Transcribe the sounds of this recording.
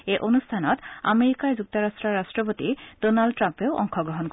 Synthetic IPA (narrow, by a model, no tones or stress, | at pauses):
eʔonust̪ʰanɔt̪a̰meɾikaɾd͡ʑuk̚t̪oɾasʈɾaɾːasʈɾɔpot̪idonalɖʈːɾampeoʔɔ̰ŋkʰɔɡɾoɦonk